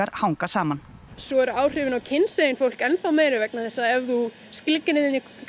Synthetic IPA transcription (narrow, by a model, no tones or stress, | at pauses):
aɾ̥hawŋkasaːman | sɔɛɾʏaːwr̥ɪvɪnawcʰɪnsejɪnfowl̥kɛnθawmeːjɾɪvɛk̚naθɛsːaɛvðu | sklɪkːɪnɪðɪnːi